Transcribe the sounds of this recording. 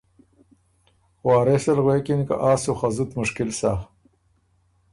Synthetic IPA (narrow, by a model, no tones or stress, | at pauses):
xwaːɾesɐlɣweːkinka̰ʔaːsuxɐzut̪mʊʂkɪlsa